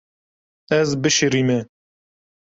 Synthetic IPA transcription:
ɛzbɨʃiɾiːmɛ

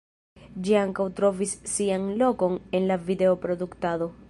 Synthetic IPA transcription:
d͡ʒiaŋkawt̪ɾo̞visːianlo̞ko̞nenlavid̪eopɾo̞d̪ukt̪aðo̞

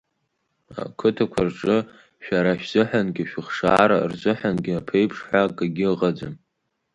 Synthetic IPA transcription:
a̰kʰɨtʰakʷʰarʈ͡ʂʼɨ | ʃᶣaɾaʃᶣz̥ɨħʷanɡʲɪʃᶣɪχʂa̰ːɾarzʷɨħanɡʲɪapʰejpʰʂħakʼaɡʲɪʁad͡za̰n

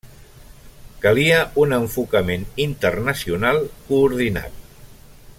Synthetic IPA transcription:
kəliəunəɱfukəmenint̪ərnəsiunalˠkuːɾð̞ina̰t̪̚

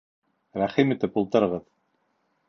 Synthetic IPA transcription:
ɾæχimɘ̆t̪ɘpulˠt̪ɤ̆ɾɤ̆ʁɤð

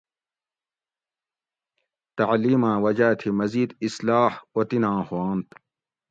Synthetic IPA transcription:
t̪ɐʕliːmãːwɐd͡ʑaːt̪ʰimɐziːd̪islaːhot̪inãːhuãːnt̪

